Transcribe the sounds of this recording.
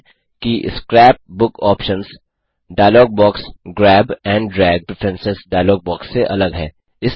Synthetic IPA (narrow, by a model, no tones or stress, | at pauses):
kiskɾɛːp̚bʊkɔːpʃə̃nz | ɖaːɪlɔːɡ̚bɔːksɡɾɛːbɛ̃ːɳɖɖɾɛːɡ̚ʈɾɪfʰɾɛ̃nsɪzɖaɪlɔːɡ̚bɔːksːeʔɐləɡɦɛ̰ː | ɪs